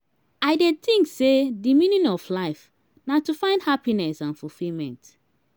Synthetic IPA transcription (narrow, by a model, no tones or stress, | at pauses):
aɪdet̪ĩŋksedimĩnjɔ̃nɔflaɪf | natufãɪ̃ndhapinɛsãnfulfilmɛ̰̃nt